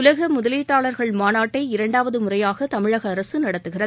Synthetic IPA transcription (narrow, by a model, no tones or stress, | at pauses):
ʊlɐɣɐmʊðɐliːʈːaːɭɐɾɣɐɭmaːnaːʈːɐɪɪɾɐɳɖaːʋɐðɯmʊrɐjaːɣɐt̪ɐmɪɻɐɣɐːɾɐsɯnɐɽɐt̪ːɯɣɪrɐðɯ